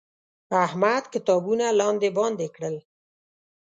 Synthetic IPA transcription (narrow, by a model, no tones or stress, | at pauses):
ahmad̪kɪt̪ɑbunalɑnd̪ebɑnd̪ekɽəl